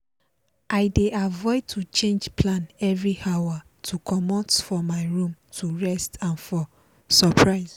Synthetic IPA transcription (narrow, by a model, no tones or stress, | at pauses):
ʔaɪdeʔavɔɪd̚tʰut͡ʃẽnd͡ʒpʰlãnɛvɹiawa | tʰukʰɔmɔ̃tfɔmaɪɹũmtʰuɹɛstãnfɔ | sapʰɹaɪz